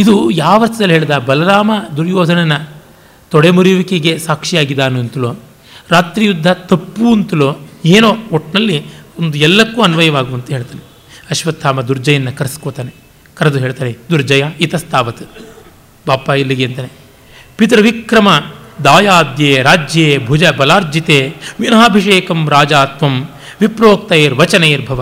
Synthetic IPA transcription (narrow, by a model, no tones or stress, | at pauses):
id̪ujaːʋɐɾt̪ʰɐd̪ɐliɦeːɭd̪aːbɐlɐɾaːmɐd̪uɾjɔːd̪ʱɐnɐnɐ | t̪ɔɽemuɾuʋikeɡe̞saːkʂijaːɡid̪aːnuɐnt̪ɐloː | ɾaːt̪ɾijud̪ʱːɐt̪ɐpːuɐnt̪ɐloeːnoːoʈnɐlːiond̪uɛlːɐkːuːɐnʋɐjɐʋaːɡuɐnt̪ɐɦe̞ːɭt̪aːne | ɐʃʋɐt̪ʰːaːmɐd̪uɾd͡ʒɐjɐnːɐkɐɾɐskoːt̪aːne | kɐɾɐd̪uɦeːɭt̪aːned̪uɾd͡ʒɐjait̪ɐst̪ʰaːʋɐt̪u | baːpailːiɡeːɐnt̪aːne | pit̪ɾɐʋikɾɐmɐd̪aːjaːd̪jeːɾaːd͡ʒjeːbʱud͡ʒɐbɐlaːɾd͡ʒit̪eːʋinaːbʱiʂeːkɐmɾaːd͡ʒaːt̪ʋɐm | ʋipɾoːk̚t̪ɐeːɾʋɐt͡ʃɐneːɾbʱɐʋɐ